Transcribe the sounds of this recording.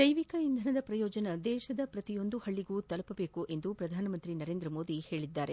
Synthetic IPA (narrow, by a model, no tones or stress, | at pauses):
d̪ɐjʋikɐind̪ʱɐnɐd̪ɐpɾɐjɔːd͡ʒɐnɐd̪ɛːʃɐd̪ɐpɾɐt̪ijo̞nd̪uhɐɭːiɡuːt̪ɐlɐpɐbe̞ːkuʔe̞nd̪upɾɐd̪ʱaːnɐmɐnt̪ɾinɐɾeːnd̪ɾɐmoːd̪ihe̞ːɭid̪ːaːɾe